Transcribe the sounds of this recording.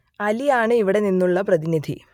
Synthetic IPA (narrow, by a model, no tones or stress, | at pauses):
ɐlijaːɳɨiʋiɽe̞ninːuɭːɐprɐðinid̪ʱi